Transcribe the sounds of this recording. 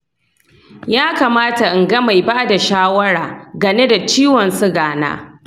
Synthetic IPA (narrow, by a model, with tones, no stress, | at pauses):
jaː˦kaː˨maː˦ta˨ʔɪ˨ŋɡɐ˦ma˨jbaː˦da˨ʃaː˦wɐ˦ɽaː˨ɡɐ˨ne˦da˨t͡ʃiː˦wɔ˨nsʊ˦ɡaː˨na̰ː˦